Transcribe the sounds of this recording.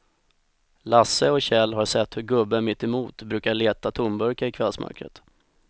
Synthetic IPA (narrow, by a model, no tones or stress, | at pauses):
lasːəɔɕɛlːɦaʂɛt̪ːhɵɾɡɵbːəmɪt̪ːɛmuːt̪bɾʉ̟ːkaɭeːt̪at̪ʰʊmbœɾkaɪkʰvɛlsmœ̰ɾkɾə̰t̪